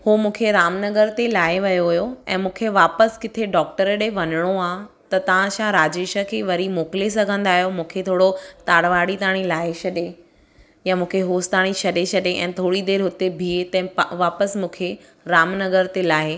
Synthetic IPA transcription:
homũːkʰeɾaːmnɐɡəɾt̪elaːeʋɐjoɦʊjoɛ̰̃ːmũːkʰeʋaːpəskɪt̪ʰeɖɔːk̚ʈəɾɗeʋɐnəɽ̃oaːt̪ɐt̪ɐʋ̤ãʃãɾaːd͡ʑeːʃə̆kʰeːʋɐɾimoːkɪles̬ɐɡʱə̃nd̪aːɦjomũːkʰet̪ʰoːɽot̪aːɽʋaːɽit̪aːɽ̃ilaːeʃɐɗe | jamũːkʰeɦoːst̪aːɽ̃iʃʰɐɗeʃʰɐɗeʔɛ̃ːt̪ʰoːɽid̪eːɾɦʊt̪ebʱiːet̪ɐ̃ɪ̃ʋaːpəsmũːkʰe | ɾaːmnɐɡəɾt̪elaːɦe

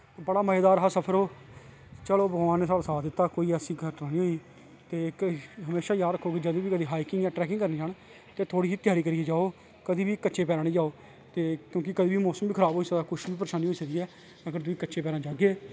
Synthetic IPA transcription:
bəɽaːməːeːd̪aːɾɦaːsəpʰəɾoː | t͡ʃəloːbəɡʋaːnːeːsalsaːd̪ɪt̪ːaːkoːiːɛsĩːɡəɾʈnaːniːɦoːiː | t̪eːɦəmeːʃaːjaːd̪ɾəkʰːoːkɪd͡ʒəd̪õːʋiːkəd̪iːɦaːiːkɪŋɡjaːʈɾɛːkɪ̃ŋkəɾniːd͡ʒaːɳ | t̪eːt̪ʰoːɽiːɦiːt̪ɪjaːɾiːkəɾiːeːd͡ʒaːoː | kəd̪iːʋiːkətːʃeːpɛːɾãːnĩːd͡ʒaːoː | t̪eːkjõːkɪkəd̪iːbiːmɔːsəmbiːkʰəɾaːboːiːsəaːkʊʃbiːpəɾʃaːniːoːisəɡiːɛː | aɡəɾt̪ʊiːkətːʃeːpɛːɾaːd͡ʒaːɡeː

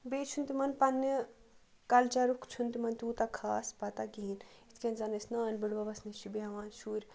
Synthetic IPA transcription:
beːt͡ʃʰunt̪imɐnpɐnːi | kɐlt͡ʃɐɾukʰt͡ʃʰunt̪imɐnt̪uːt̪akʰaːspɐt̪aɡiːnit̪ʰkʲenzanɐsnaːnbɪɽʋɐbɐsniʃt͡ʃibeɦɐʋaːnʃuːɾʲ

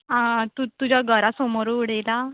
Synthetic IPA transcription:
ɦãt̪ut̪ud͡ʑaɡʱəɾasɔmoɾuːɽejla

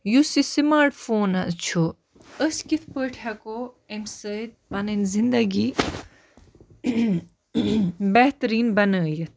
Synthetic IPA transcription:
jusisimaːɾʈfoːnɐt͡ʃʰo | əskit̪ʰpəːʈʰako | emsət̪̚bɐnənzind̪ɐɡi | bɐht̪ɾiːnbɐnəːjət̪̚ʰ

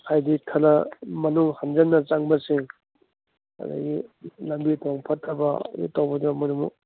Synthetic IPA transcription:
hajdikʰːɐnɐmɐnuŋhand͡ʒɐnːɐt͡ʃaŋbɐsiŋ | ɐ̰d̪ɐ̰ɡilɐmbitʰɔŋpʰɐtʰːɐbɐ̰dḭtawbɐdibɐmɐnuŋːṵ

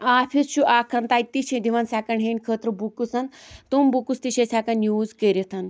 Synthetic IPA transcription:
afʰisɕuʔakʰɐnt̪ajt̪ːiɕẽd̪iʋansakɐɳɦẽnʲkʰət̪ɾəbukusant̪umbukust̪iɕẽsakanjuːzkeɾit̪ʰan

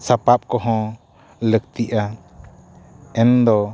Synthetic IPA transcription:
sapap̚kɔɦɔ̃ | lək̚t̪iʔa | ɛnd̪ɔ

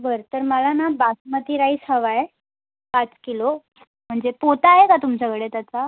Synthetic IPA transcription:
bəɾt̪əɾməlanabasmət̪iːɾaisəʋae | pat͡skilo | m̤əɳd͡zepot̪aːɦekat̪umt͡ɕakəɽet̪at̪a

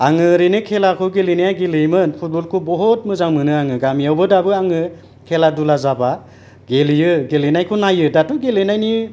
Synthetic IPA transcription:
aŋɯɾenɯkʰelakʰɯɡelinajaɡelɯjmɯnpʰut̚bɔlkʰubɔɦɔt̚mɯzaŋmɯnɯaŋɯɡamiawbɯdabɯaŋɯ | kʰeladulazaba | ɡelijɯɡelenajkʰɯnajɯdatuɡelenajniɯ

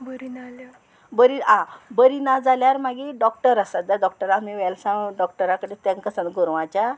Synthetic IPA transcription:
bəɾinala | bəɾiãbəɾinad͡zaljaɾmaɡiɖɔkʈəɾasat̪̚d͡z̪aɖɔk̚ʈəɾãt̪miʋɛlsãɖɔkʈəɾãkəɽet̪ɛ̃ŋkəsãnt̪ɡuɾʋãt͡ɕa

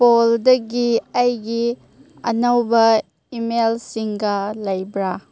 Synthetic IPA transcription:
poldɐɡiɐjɡi | ɐ̰nɐwbɐ | imelsiŋɡɐlɐjbɾa

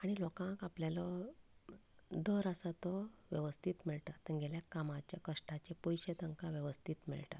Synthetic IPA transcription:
aɽ̃ilɔkãŋkapljalɔ | d̪əɾəsat̪ɔʋjəʋəst̪ʰit̪miɭʈat̪əɾɡʱeljakamãt͡ɕjakəʂʈat͡ɕepujɕet̪əŋkaʋjəʋəst̪ʰit̪mḭɭʈa̰

